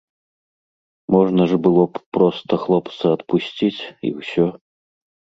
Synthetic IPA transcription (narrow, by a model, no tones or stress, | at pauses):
mɔʐnɐʐbɨlˠɔpɾɔst̪ɐxlˠɔpt̪sɐɐt̪pusʲt͡sʲit͡sʲḭwsʲɔ